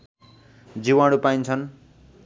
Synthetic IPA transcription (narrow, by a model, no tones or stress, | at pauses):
d͡ziwãɽupajnt͡sʰʌn